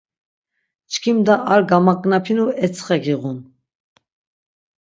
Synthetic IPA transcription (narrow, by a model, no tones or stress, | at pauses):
t͡ʃʰkʰimd̪aʔːɾɡamakʼnapʰinuɛt͡sʰʼχɛɡiʁun